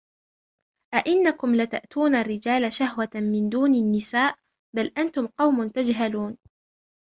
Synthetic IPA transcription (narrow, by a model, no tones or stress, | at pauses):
ʔaʔɪnːakʊmlat̪a̰ʔt̪ʰuːnarːɪd͡ʒaːlaʃahwamɪnd̪uːnanːɪsaːʔ | balʔant̪ʊmqɑwmʊnt̪ad͡ʒɦaluːn